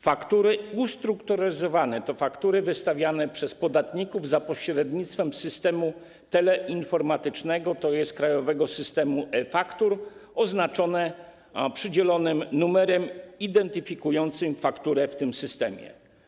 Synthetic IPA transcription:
fakt̪uɾɘust̪ɾukt̪ɔɾazɔvanɛt̪ɔfakt̪uɾɘvɘst̪avʲjanɛpʂɛspɔd̪at̪ɲikuvzapɔɕɾɛd̪ɲit̪st̪fɛmsɘst̪ɛmu | t̪ɛlɛʔinfɔɾmat̪ɘt͡ʂnɛɡɔt̪ɔjɛst̪̚kɾajɔvɛɡɔsɘst̪ɛmuʔɛfakt̪uɾɔznat͡ʂɔnɛ | pʂɘd͡ʑɛlɔnɘmnumɛɾɛmid̪ɛnt̪ɘfʲikujɔnt̪sɘmfakt̪uɾɛft̪ɘmsɘst̪ɛmʲjɛ̰

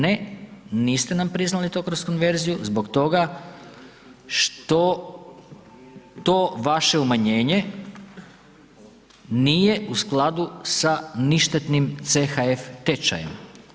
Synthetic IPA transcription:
neniːst̪enampɾiznalit̪okɾosko̞nʋe̞ɾzijuzbo̞kt̪o̞ɡa | ʃt̪o̞ | t̪o̞ʋaʃe̞umaɲe̞ːɲe̞ | niːje̞usklˠad̪usaniʃt̪et̪nimt̪sexaeft̪et͡ʃa̰jḛm

